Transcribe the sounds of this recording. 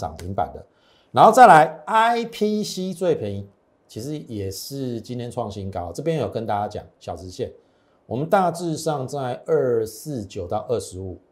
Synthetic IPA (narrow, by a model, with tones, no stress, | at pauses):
ɑ̰˨˩ŋmi˨˦ŋpa̰˨˩ɪd̪ə̰˦ | na˨˧˥nxo˥˧t͡sa˥˩ɪla˧˦ɪa˦˥ɪpʰi˦ɕi˥t͡swe˥˨ɪpʰi˧˦i˧ | t͡ɕʰi˧˥ʂɻ̩˧˦jɛ˨˩ʂɻ̩˥˩t͡ɕi˥nt̪ʰjɛ˥nʈ͡ʂʰwɑ˥˩ŋɕi˦˥nkɑ˦ʊ˨˩t͡sɤ˥˩pjɛ̃˦njjo˨˩kə˦nt̪a˥˧t͡ɕa˦t͡ɕjɑ̰˨˩ŋɕjɑ˨˩ʊʈ͡ʂɻ̩˧˥ɕjɛ˥˩n | wɔ˨˩mə˨˦nt̪a˥˧ʈ͡ʂɻ̩˥˧ʂɑ˥˧ŋt͡sa˥˧ɪʔə˥˧s̩˥˨t͡ɕjo˨˩ʊt̪ɑ˥˧ʊʔə˥˧ʂɻ̩˧˦u˨˩